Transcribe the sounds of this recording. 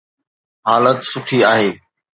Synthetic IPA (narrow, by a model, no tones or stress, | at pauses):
ɦaːlət̪sʊʈʰiaːɦeː